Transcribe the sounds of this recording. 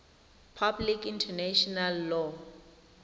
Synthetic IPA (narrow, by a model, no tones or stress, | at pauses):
pʰablikintʰɛnɛʃɔnalːɔ